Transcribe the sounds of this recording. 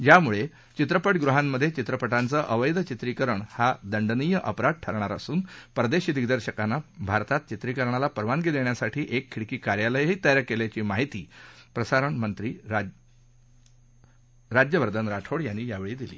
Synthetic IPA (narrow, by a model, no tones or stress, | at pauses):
jamuɭe | t͡ɕit̪ɾəpəʈɡɾuɦamːəd̪ʱːjet͡ɕit̪ɾəpəʈant͡səʔəʋəjd̪t͡ɕit̪ɾikəɾəɳhad̪əɳɖnijəʔəpɾad̪̚ʈʰəɾɳ̃aɾə̰suːnpɾəd̪eɕiːd̪iɡd̪əɾɕəkanːabʱaɾt̪at̪̚t͡ɕit̪ɾikəɾɳalapəɾʋaŋɡid̪eɳjasaʈʰiːʔekʰːiɭkiːkaɾjaləjɦiːt̪əjɾakeljat͡ɕiːmaɦit̪iːpɾəsaɾəɳmənt̪ɾiː | ɾad͡ʑjəʋəɾd̪ʱənɾaʈʰoɽjanːiːjaʋeɭiːd̪ilḭː